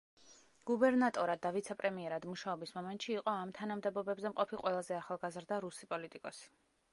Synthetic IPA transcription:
ɡ̥ubɛɾnat̪ʼɔɾad̪ːavit̪sʰɛpʼɾɛmiɛɾad̪muʃaɔbismɔmɛnt̪ʼʃiːqʼɔamt̪ʰanamd̪ɛbɔbɛbzɛmqʼɔpʰiqʼwɛlˠazɛaχalˠɡazɾd̪aɾusipʼɔlit̪ʼikʼɔsi̥

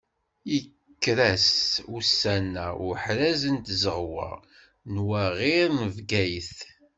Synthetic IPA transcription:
jə | kːɾæsusːænːæʊɾħɾæzənt̪zəʁwə̰ | nwæʁiɾnəvɡæjθ

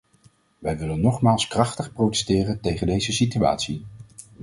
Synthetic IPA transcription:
ʋɛjʋɪlənːɔχmaːlˠskrɑχtəχprowtɛ̥stɪːrəntejχəndejzəsitya̰ːtsi

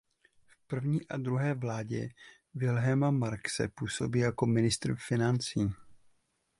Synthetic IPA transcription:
fpr̩vɲiːʔadɾuɦɛːvlaːɟɛ̰ | vɪlɦɛmamaɾksɛ̰puːso̞biːjako̞mɪnɪst̪rfɪnant͡siː

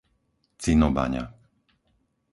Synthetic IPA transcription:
t͡sinɔba̰ɲa̰

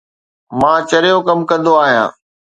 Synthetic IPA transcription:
mãːt͡ɕɐɾɪjokɐmkɐ̃nd̪oaːɦijã̰ː

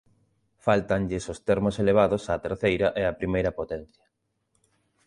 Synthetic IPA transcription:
falt̪ɐɲʎɪsost̪ɛɾmoseleβ̞aðosaːt̪eɾθejɾɐʔɛɐpɾimejɾɐpot̪ɛn̟θjɐ̥

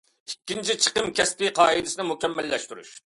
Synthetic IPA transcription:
ikʲːint͡ʃʰit͡ʃʰə̥qəmkʲɛst̪ɪqʰɑːid̪ɪsɪnɪmukʲɛmːælːɛʃt̪yɾṵʃ

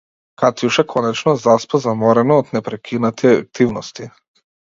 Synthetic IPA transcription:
kat̪juʃɛkʰɔnɛt͡ʃnɔzaspɔzamɔɾɛnɔːt̪nɛpɾɛkʰinat̪ʰiak̚t̪ivnɔst̪i

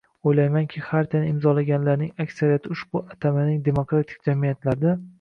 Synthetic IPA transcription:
ojlajmaŋkʲʰɪχaɾt̪ʰanɪɪmzɒlaɡʲanlaɾnɪŋakʲsaɾijat̪ʰɪʊʃbʊat̪ʰamanɪŋd̪e̞mokɾat̪ʰɪ̥k̚ʲd͡ʒamijat̪laɾd̪a

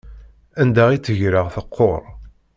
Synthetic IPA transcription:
ænd̪æʁit͡sːəʝɾəʁθəqʰːoɾˤ

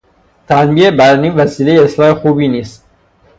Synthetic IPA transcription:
t̪ʰænbiːebæɾniːnvæsiːlejeeslɒːhe̞xuːbiːniːst̪̚

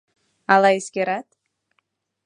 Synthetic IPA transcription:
alˠaiskʲeɾat̪

